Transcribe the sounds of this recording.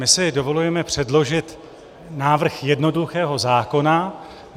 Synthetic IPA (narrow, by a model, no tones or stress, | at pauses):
mɪsɪdo̞vo̞lujɛmɛpr̝̥ɛdlo̞ʒɪt̪ | naːvr̩xjɛdno̞duxɛːɦo̞zaːko̞na